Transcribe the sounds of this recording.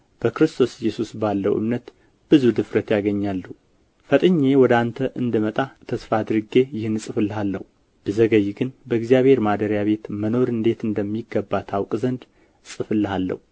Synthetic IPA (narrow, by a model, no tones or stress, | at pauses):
b̥əkɾɨst̪ʰo̞sjːɛsusbalːə̰wʔɨ̰mnət̪ | b̥ɨzud̪ɨfɾət̪jaɡəɲːalːu | fət̪ʼɨɲːe̞wɔd̪ant̪ʰəʔɨnd̪ɨmət̪ʼat̪ʰəsfad̪ɨɾɨɡe̞jɪhɨnːsʼɨfɨlːɨhalːə̰hu | b̥ɨzəɡəjɡɨnbəɪɡzijaβhe̞ɾmad̪əɾjaβe̞t̪məno̞ɾɨnd̪e̞t̪ɨnd̪əmːiɡːəbːat̪ʰawkʼzənd̪ | sʼɨfɨlːɨhalːə̰hu